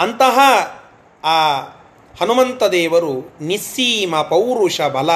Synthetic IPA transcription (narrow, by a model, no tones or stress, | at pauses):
ɐnt̪ɐɦɐ | aː | hɐnumɐnt̪ɐd̪eːʋɐɾunisiːmɐpɐwɾuʂɐbʱɐlɐ